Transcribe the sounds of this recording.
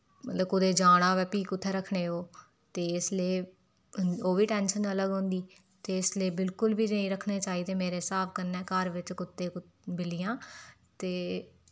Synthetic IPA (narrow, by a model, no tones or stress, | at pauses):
mət̪ləbkʊd̪eːd͡ʒaːɽ̃ãːʋɛːpiːkʊt̪ʰːeːɾəkʰɽeːoː | t̪eːɪsleː | oːʋiːʈɛːnʃənələɡɦõnd̪iː | t̪eːɪsleːbɪlkʊlbiːnəĩːɾəkʰneːt͡ʃaːiːd̪eːmeːɾeːsaːp̚ʰkəɾnɛːkəɾʋɪt͡ʃkʊt̪ːeːk | bɪlɪjãː | t̪eː